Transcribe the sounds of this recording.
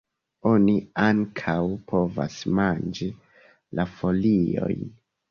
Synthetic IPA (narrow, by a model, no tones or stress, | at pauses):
o̞niaŋkʰawpʰo̞va̰smand͡ʒi | lafo̞lio̞̰jn